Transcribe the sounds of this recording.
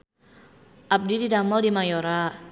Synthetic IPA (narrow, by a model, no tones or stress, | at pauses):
ʔap̚dididamɔldimajoɾa